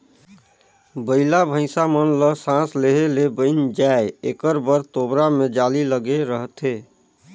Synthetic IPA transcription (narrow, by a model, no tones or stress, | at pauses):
bəɪlabʱə̃ɪ̃samənləsãsleɦelebəɪnd͡ʒaeekəɾbəɾt̪obɾamed͡ʒaliləɡeɾəɦt̪ɦe